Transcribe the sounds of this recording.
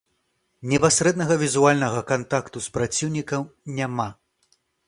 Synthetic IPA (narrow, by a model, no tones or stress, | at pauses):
nʲɛpasʲɾɛd̪nɐɣɐvʲizualʲnɐɣɐkant̪akt̪uspɾat͡sʲiwnʲikɐmnʲama